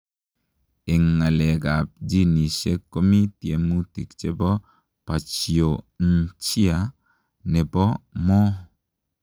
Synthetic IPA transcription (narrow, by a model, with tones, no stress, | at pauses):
ɪ˨ŋːa˨lɛ˨ɡa˨p̚d͡ʒi˦ni˨se˦kːo˦mi˦tje˨mu˦ti˨kt͡ʃe˦bɔ˦ | pa˨t͡ʃi˨o˨ | n̩t͡ʃi˦a˨ | nɛ˨bɔ˦mɔ˦